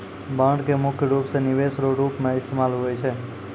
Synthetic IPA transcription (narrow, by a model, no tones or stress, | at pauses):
bãɳɖkemʊkʰjəɾupsenɪʋesɾoɾupmẽɪst̪ʰemalɦojt͡ʃʰe